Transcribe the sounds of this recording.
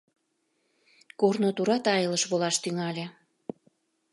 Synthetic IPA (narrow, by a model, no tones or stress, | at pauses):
kornot̪uɾɑt̪ɑjələʃβolɑʃt̪yŋɑlʲe